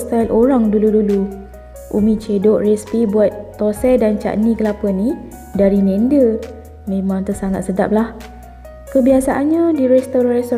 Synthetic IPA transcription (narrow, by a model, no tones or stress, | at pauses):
st̪alʔoɾaŋduludulu | ʔumĩt͡ʃedoʔrɛspibuat̪̚ːosɛdant͡ʃa̰ʔniɡəlapəni | daɾimɛndə | mẽmãŋt̪əsaŋa̰t̪̚səda̰p̚lah | kəbiasaʔanɲãdiɾɛst̪oɾanɛst̪